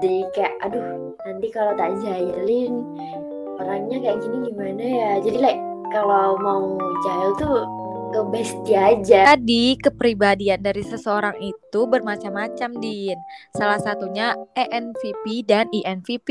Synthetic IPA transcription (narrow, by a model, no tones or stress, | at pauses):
dikajaʔadʊh | nant̪ikalat̪ad͡ʒalɪn | oɾaŋɲakajaʔɡiniɡimanajad͡ʒadilaj | kalawmaud͡ʒailt̪u | kəbəst̪iad͡ʒadikəpɾibadiandaɾisəsəoɾaŋit̪ubərmat͡ʃamat͡ʃamdinsalahsat̪uɲaʔeʔɛnfipidaniʔɛnfipi